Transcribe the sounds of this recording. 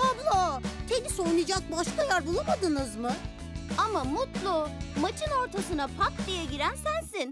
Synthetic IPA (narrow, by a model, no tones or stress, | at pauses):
ablˠat̪ʰenisojnɯd͡ʒak̚baʃkajæɾbulˠamad̪ɯnɯzmɯ | amamut̪lˠʊmat͡ʃʰɯno̞ɾt̪ʰasɯnapʰakd̪ijɛɟiɾænsænsin